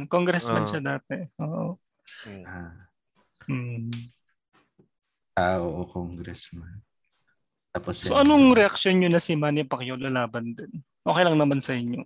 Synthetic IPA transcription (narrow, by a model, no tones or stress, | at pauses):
koŋɡɾɛsmɐnʃɐd̪aːt̪ɛʔoːʔo | a | m̩ː | ʔaʔoʔokoŋɡɾɛsman | t̪aːpossoʔɐnoŋɾɛʔɐk̚ʃjonɲonɐsɪmaːnɪpɐkjolɐlaːbɐnd̪ɪn | ʔoːkejlɐŋnɐmɐnsɐʔɪɲjo